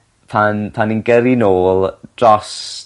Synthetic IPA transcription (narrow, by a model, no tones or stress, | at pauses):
pʰanpʰaninɡəɾinoːlˠd̥rɔs